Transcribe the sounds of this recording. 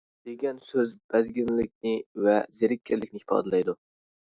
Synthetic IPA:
d̪̥eɡʲɛnsøzb̥æzɡʲɪnlɪk̚ʲnɪvɛzeɾɪkʲʰːɪɾlɪkʲnɪhɪ̥fɑ̰ːd̪ɨlɛjd̪u

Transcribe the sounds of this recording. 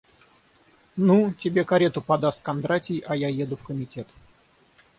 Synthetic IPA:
nutʲɪbʲe̞kɐɾʲe̞t̪ʊpɐd̪ast̪̚kɐnd̪ɾatʲɪjʔɐjajed̪ʊfkəmʲɪtʲe̞t̪

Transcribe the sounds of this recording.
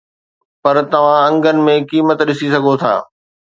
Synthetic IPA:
pɐɾt̪ɐʋ̤ãɐ̃ŋɡənɪ̆mẽkiːmət̪ɗɪsisɐɡʱot̪ʰa̰ː

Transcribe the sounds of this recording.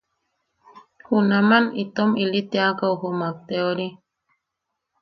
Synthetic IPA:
hunamanit̪omilit̪eakauhumak̚t̪eoɾi

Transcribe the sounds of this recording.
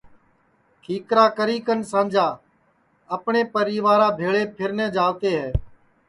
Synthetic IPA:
kʰiːkɾaːkəɾiːkənsãːnd͡ʒʱaː | əpɳeːpəɾiːʋaːɾaːbʱeːɭeːpʰɪɾnɛ̃ːd͡ʒaːlt̪eːɦɛː

